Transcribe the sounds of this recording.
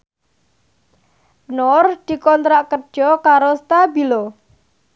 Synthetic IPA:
nord̪̥i̤kɔnt̪ɾaʔkə̥d͡ʒʒ̥ɔkaɾost̪abilo

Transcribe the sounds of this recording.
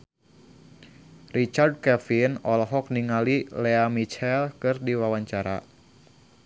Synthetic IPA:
rit͡ʃard̚kɛfinɔlɔɦɔk̚niŋalileamit͡ʃɛlkɨrdiwawaɲt͡ʃaɾa̰

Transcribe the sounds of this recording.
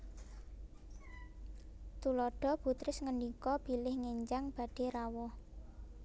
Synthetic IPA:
t̪ulɔɖ̥ɔ̤b̥ṳt̪ɾɪsŋəndikɔb̥i̤lɪhŋeɲd͡ʒaŋb̥a̤ɖ̥e̤ɾawɔ

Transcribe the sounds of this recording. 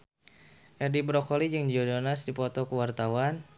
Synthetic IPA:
ʔɛrdibɾɔkɔlid͡ʒɨŋdd͡ʒɔdonasdipɔt̪ɔkəwart̪awan

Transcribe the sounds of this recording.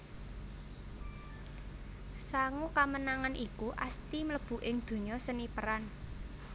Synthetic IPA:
saŋukamənaŋanʔikuʔast̪imələb̥ṳʔɪŋd̪̥o̤ɲɔsənipəɾan

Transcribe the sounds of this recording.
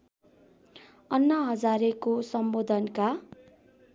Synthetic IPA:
ʌnːʌɦʌd͡zaɾekosʌmbod̪ʱʌnka

